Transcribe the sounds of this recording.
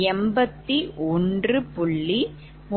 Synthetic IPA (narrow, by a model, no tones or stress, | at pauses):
ɛmbɐt̪ːiʔɔndrɯpʊɭːi | m